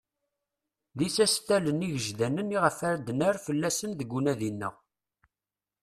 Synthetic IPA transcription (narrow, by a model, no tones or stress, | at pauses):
ðisæst̪æləniʝəʒðænəniʁəfæɾd̪næɾfəlːæsənðəɡʷːunæðinːə̰ʁ